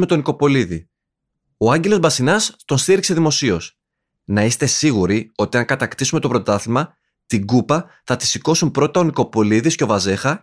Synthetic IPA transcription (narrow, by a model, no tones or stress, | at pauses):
me̞t̪o̞niko̞po̞liði | oɐɲɟelo̞zbɐsinɐst̪o̞nst̪iɾikse̞ðimo̞sio̞s | nɐist̪e̞siɣuɾio̞t̪iɐŋkɐt̪ɐkt̪isume̞t̪o̞pɾo̞t̪ɐθimɐ | t̪iɡupɐ | θɐt̪i̥siko̞sumpɾo̞t̪ɐoniko̞po̞liðisce̞o̞vɐze̞xɐ